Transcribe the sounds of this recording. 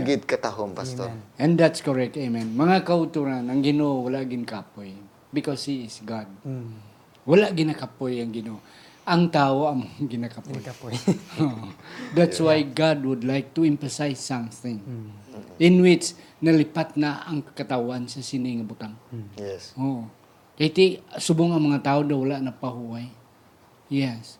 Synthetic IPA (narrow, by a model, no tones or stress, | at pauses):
ɡɪd̪̚kat̪aɦompast̪oɛ̃nd̪at̪skɔɹɛk̚t̪ajmɛ̃nmɐŋakaʊt̪uɾanaŋɡɪnoʔowalaʔɡɪnkapoj | bɪkɔshiɪsɡad̚ | walaʔɡɪnakapojaŋɡɪnoʔo | ʔaŋt̪aːoamoɡɪnakapojjod̪at̪swajɡad̚wʊd̪lajk̚t̪uɛ̃ɱfəsajsãmθɪ̃ŋ | ɪnwɪt͡ʃ | nalipat̪̚naːŋkat̪awansasiniŋabut̪am | oʔo | kajt̪isubʊŋaŋmɐŋat̪aodawalaʔnapahuaj | jɛs